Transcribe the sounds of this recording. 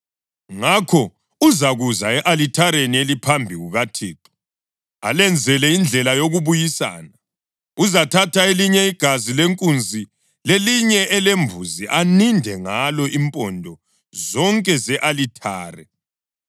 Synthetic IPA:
ŋakʰɔ | uzaɣuzaɛʔalitʰaɾenielipʰambʱiɣuɣatʰiːǃɔ̥ | a̰lɛnd͡zʱɛlɛind͡ɮʱɛlajoɣuβujisa̰ːna | uzatʰatʰaeliɲɛiɡ̥ʱazileŋkʼund͡zʱi | leliɲɛɛlembʱuziʔanindʱɛŋalɔʔimpʼɔndʱɔ | zɔŋkʼɛzɛʔalitʰaːrɛ̰

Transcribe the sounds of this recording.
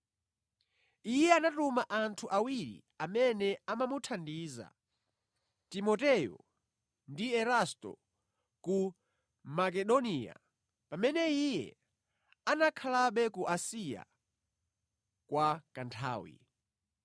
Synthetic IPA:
ijɛanatumaʔantʰuʔawiɾḭ | amɛnɛamamutʰandiːza̰ | timɔtɛjɔ̰ | ndiɛɾastɔ̰ | ku | makɛɗɔniːa̰ | pamɛnɛijɛ̰ | anakʰalaɓɛkuʔasija̰ | kwakantʰa̰ːwḭ

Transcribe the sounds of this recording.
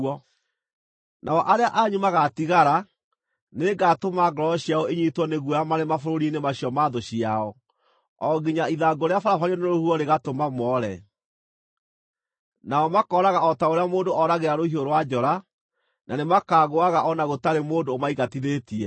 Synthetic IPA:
ɔ | nʔaɔʔaɾeaʔaɲumaɣatiɣaɾa | neɡatomaɡɔɾɔɔɕiaɔeɲitwɔneɣwɔjamaɾemafoɾoɾinemaɕiɔmaðoɕiaɔ | ɔɡiɲaiðaɡoɾeafaɾafaɲiɔneɾohuɔɾeɣatomamɔːɾɛ | naɔmakɔɾaɣaɔtaoɾeamoːndoʔɔɾaɣeɾaɾohioɾwad͡ʒɔɾa | nʔanemakaːɣoaɣaʔɔnaɣotaɾemoːndoːmaiɣatiðetiɛ

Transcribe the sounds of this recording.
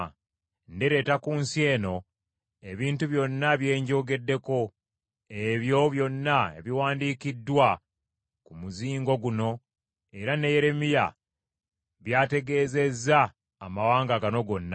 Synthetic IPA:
ndeɾe̞ːtakuːnsie̞ːno̞ | e̞βiːntuβjo̞nːaβje̞ːɲɟo̞ːɡe̞dːe̞ko̞ | e̞βjo̞βjo̞nːae̞̰βiwaːndiːkidːwa | kumuziːŋɡo̞ɡuno̞ | e̞ɾane̞je̞ɾe̞mija̰ | βjaːte̞ɡe̞ːze̞zːaː | mawaːŋɡaɡano̞ɡo̞nːa

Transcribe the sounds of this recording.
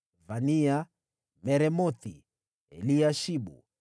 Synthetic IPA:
vania | mɛɾɛmɔt̪i | ɛ̰liaʃiɓṵ

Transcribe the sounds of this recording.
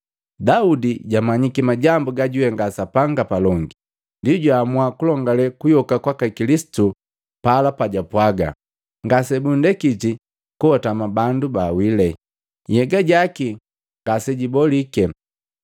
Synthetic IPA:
daudiɟamaɲikimaɟambuɡaɟuwɛŋɡasapaŋɡapalɔŋɡi | ndiɟwaːmwakulɔŋɡalɛkujɔkakwakakilisi̥tu | palapaɟapwaɡa̰ | ŋɡasɛbundɛkiti | kuhɔtamabandubaːwilɛ | jɛɡaɟaki | ŋɡasɛɟibɔlikɛ

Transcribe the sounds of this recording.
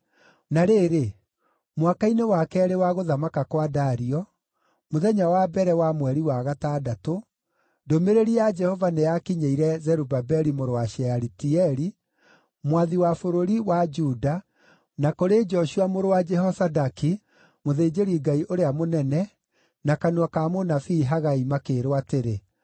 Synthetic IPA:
naɾeːɾe | mwakainewakɛɾewaɣoðamakakwadaɾiɔ | moðɛɲawabɛɾɛwamwɛɾiwaɣataːdato | domeɾeɾiad͡ʒɛhɔvanejakiɲeiɾɛzɛɾubabɛɾimoɾowaʃɛaɾitiɛɾi | mwaðiwafoɾoɾiwad͡ʒuda | nakoɾed͡ʒɔʃuamoɾowad͡ʒɛɦɔsadaki | moðeːd͡ʒeɾiɡaiʔoɾeamonɛnɛ | nakaneakamonafiːɦaɣaimakeːɾwateɾe

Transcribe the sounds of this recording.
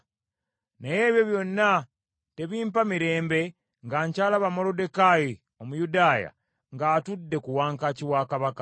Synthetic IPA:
neje̞ːβjo̞βjo̞nːa | te̞βiːmpamiɾe̞ːmbe̞ | ŋɡaːɲcaːlaβamo̞lode̞kaji | o̞mujudaːja̰ | ŋɡaːtudːe̞kuwaːŋkaciwaːkaβakḁ

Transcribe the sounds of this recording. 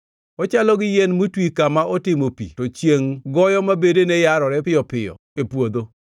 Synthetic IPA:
ɔt͡ʃalɔɡɪjenmutwikamaʔɔtɪmopḭtot͡ʃjeŋɡɔjɔmabedenejaɾɔɾɛpɪjɔpɪjɔ̰epwod̪o

